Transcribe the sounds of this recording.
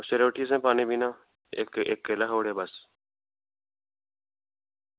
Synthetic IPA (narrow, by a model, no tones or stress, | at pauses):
ʃeɾoːʈiːsɛ̃ːpaːnẽːbiːnãː | ekeːkːeːlaːɦoːɽeːbəs